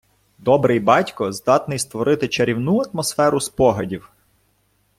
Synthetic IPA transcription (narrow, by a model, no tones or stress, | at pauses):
d̪ɔbɾɪjbɑtʲkɔzd̪ɑt̪nɪjst̪ʋɔɾɪt̪ɪt͡ʃɐɾʲiwnuɐt̪mɔsfɛɾʊspɔɦɐdʲiw